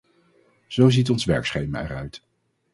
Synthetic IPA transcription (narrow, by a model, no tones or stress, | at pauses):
z̥owzit̬ɔnsʋɛɹksχejma̰ɛ̰rœɥt